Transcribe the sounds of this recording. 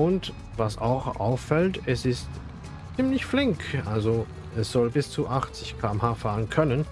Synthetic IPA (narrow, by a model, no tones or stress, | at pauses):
ʊnt | vasa̰ʊxʔa̰ʊfːɛltɛsɪst | t͡siːmlɪçflɪŋkʔalzo | ɛsz̥ɔlbɪst͡suʔaχt͡sɪçkʰaːmhaːfaːʁənkʰœnən